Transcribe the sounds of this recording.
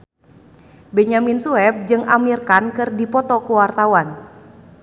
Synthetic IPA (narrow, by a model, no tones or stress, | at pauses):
bɛɲaminsuɛp̚d͡ʒɨŋamirkankɨrdipɔt̪ɔkuwart̪awan